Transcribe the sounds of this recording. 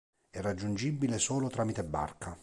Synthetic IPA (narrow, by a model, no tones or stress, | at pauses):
ɛrːad͡ʒːund͡ʒibːilesoːlot̪ɾaːmit̪ebːa̰rkʰa